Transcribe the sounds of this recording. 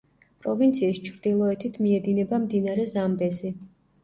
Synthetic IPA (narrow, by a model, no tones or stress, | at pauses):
pʼɾɔvint̪sʰiːst͡ʃʰɾd̪ilˠɔɛt̪ʰit̪ʰmiɛd̪inɛbamd̪inaɾɛzambɛzi